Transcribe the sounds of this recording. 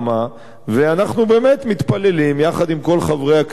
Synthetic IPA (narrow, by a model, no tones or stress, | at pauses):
ma | veanaχnube̞ːmet̪mit̪pale̞limjaχad̪imko̞lχavʁeak